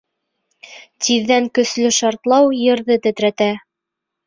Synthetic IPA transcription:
t̪iðːæŋkɵ̆slɵʃɑɾt̪lˠɑwjɤ̆ɾðɤt̪ɘ̆t̪ɾæt̪æ

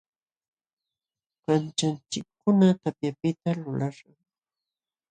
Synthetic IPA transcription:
mant͡ʃant͡ʃɪkːʊnat̪apjapɪt̪alʊlaɾɑŋ

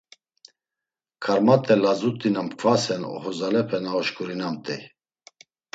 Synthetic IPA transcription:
kʰaɾmat̪ʼɛlazut̪ʼinamkʰvasɛnɔ̰hɔzalɛpʰɛnaɔʃkʰʼuɾinamt̪ʼɛ

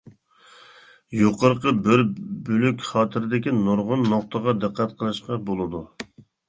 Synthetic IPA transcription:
joqəɾqəbɪɾbylykʲχɑːt̪ʰɪɾɪd̪ɪkʲinoɾʁʊnːoχt̪əʁɑd̪ɨqʰːæt̪qʰəlˠɨʃqɑbolˠɨd̪u

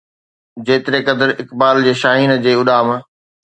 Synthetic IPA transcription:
d͡ʑeːt̪ɪɾekɐd̪əɾɪkbaːld͡ʑeːʃaːɦiːnd͡ʑeːʊɗaːm

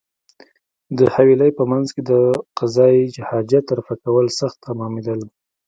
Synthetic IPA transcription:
d̪əhawiləjpəmanzked̪əqazɑjid͡ʒhɑd͡ʒat̪ːaɾafakawəlsaxt̪ːamɑmed̪əl

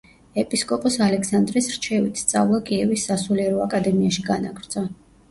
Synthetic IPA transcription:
ɛpʼiskʼɔpʼɔsalɛksand̪ɾisɾt͡ʃʰɛvit̪ʰst̪sʼa̰vlˠakʼiɛvisːasuliɛɾɔakʼad̪ɛmiaʃiɡana̰ɡɾd̪sʰʼa

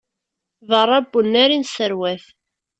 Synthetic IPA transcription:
vərˤːɑbːunːæɾinsəɾwæθ

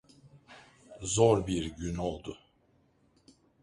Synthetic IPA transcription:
zoɾbiɾɟyno̞lˠd̪ʊ

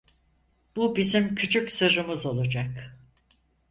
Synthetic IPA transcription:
b̥ubizimcʰyt͡ʃʰycsɯɾɯmɯzo̞lˠad͡ʒak

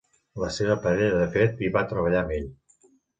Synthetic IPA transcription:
ləseβəpəɾɛʎəðəfet̪iβat̪ɾəβ̞əʎaəmeʎ

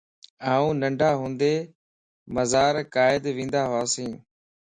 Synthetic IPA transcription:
aːũːnəɳɖʱaːɦũːnd̪eː | məzaːɾkaːɪd̪ʋĩːnd̪aːɦoaːsĩː

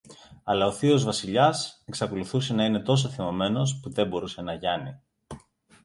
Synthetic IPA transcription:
ɐlɐo̞θio̞zvɐsiʎɐseksɐko̞luθuse̞nɐine̞t̪o̞s̬oθimo̞me̞no̞spuðe̞bo̞ɾuse̞nɐʝɐni

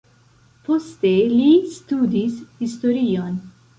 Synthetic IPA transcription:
fɔst̪eliːst̪uːd̪isist̪ɔɾiːɔn

